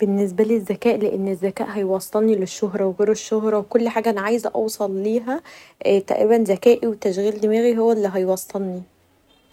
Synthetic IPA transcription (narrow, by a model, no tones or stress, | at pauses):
b̥enːes̬bælizːækæːʔleʔenːezːækæ̰ːʔɦɑjwɑsˤt̪ːɑlnileʃːoɦɾˤɑweɣeːɾeʃːoɦɾˤɑwekolːħaːɡæʔæniʕaːjezʔɑ̰wsˤɑlːiːɦæt̪æ̰ʔɾiːbænzækæːʔiwet̪æʃɣiːld̪emæːɣiɦowːælːiɦɑjwɑsˤt̪ɑlni